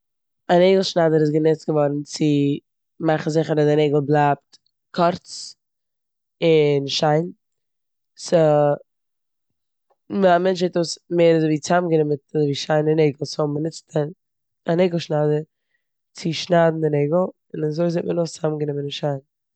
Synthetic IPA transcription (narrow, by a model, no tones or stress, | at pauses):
aneɪɡl̩ˠʃnadəɾɪs̬ɡənɛt͡stɡəvɔɾn̩t͡sɪ | maχn̩zɪχəɾadɪneɪɡl̩ˠblˠaːp̚t | kʰɔɾt͡s | ɪnʃaɪn | sə | mamɛnt͡ʃhɛtosmeːɾazoviːt͡samɡənɪmətazviːʃaɪnɪnɛɪɡl̩ˠsʊbənɪt͡stʰə | aneɪɡl̩ˠʃnadə | t͡sɪʃnadn̩dɪnɛɪɡl̩ˠ | ɪnazoɪzet̚mənost͡samɡənɪmənɪnʃaɪn